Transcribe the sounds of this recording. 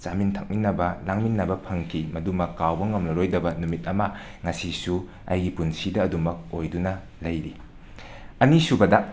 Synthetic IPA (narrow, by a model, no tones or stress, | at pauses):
t͡ʃamintʰɐk̚minːɐbɐlaŋminːɐbɐpʰɐŋkʰimɐdumɐkːawbɐŋɐmlɐɾojdɐbɐnumit̚ɐmɐ | ŋɐsisu | ɐ̰jɡipunsidɐːdumɐk̚ojdunɐ | lɐjɾi | ɐnisubɐdɐ